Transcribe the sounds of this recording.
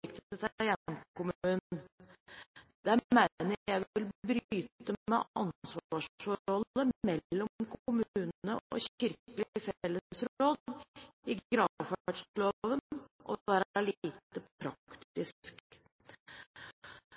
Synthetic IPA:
ɪkt̪ət̪ʰjæmkʊmʉːnn | d̪̥æmænəjæɪʋɪlbɾyːt̪əmɛ̰ɑnsʋɑːʂfɔhɔlːəmɛlːɔmkʰʊmʉːnnəɔ̰çɪɾkəlɪɪfɛlːəsɾoːd̪ɪɡɾɑʋfææʈʂloːʋənʔɔ̰ʋæːɾəlːt̪əpʰɾɑ̰kt̪ɪsk

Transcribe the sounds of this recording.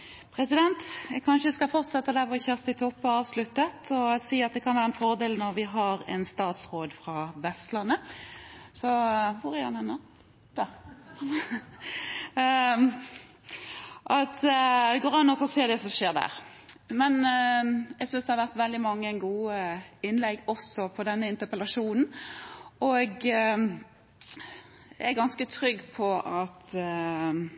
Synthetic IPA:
pʰɾɛsɪd̪ɛnt̪ɛɡkʰɑnʂəskɑfɔɾt̪sɛt̪ːəd̪æfɔçøːɾsɪt̪ʰɔpːɔɑːʋslʉt̪ːət̪ʰɔsiːɑt̪̚d̪ɛkʰɑnʋæːɾəɛnfɔɾd̪eːlnɔɾʋɪɦɑɾɛnst̪ɑːt̪sʁoːd̪fɾɑʋɛst̪lɑnːə | sɔʋʊɾɪɑnɛnːə | d̪̥ | ʔɑt̪ɡoːɾɑnːɔsɔseːd̪ɛsɔʃeːʁd̪æ̰ʁ | mɛn | ɛɡsʏnsd̪ɛhɑɾʋæʁt̪ʋɛld̪ɪmɑŋːənɡuːɪnlɛɡɔsɔpʰɔd̪ɛnːəɪnt̪əpəlɑʂuːnn̩ | ɔɡ | ɛɡɑnskət̪ʰɾʏɡːpʰɔɑt̪

